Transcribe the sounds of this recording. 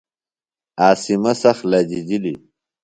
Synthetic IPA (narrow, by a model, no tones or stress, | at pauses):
aːsimɐsɐxlad͡ʑid͡ʑili